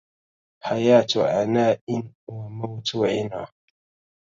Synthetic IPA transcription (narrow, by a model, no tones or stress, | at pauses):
hajaːtuʔanaʔɪnwamawtwaɪna̰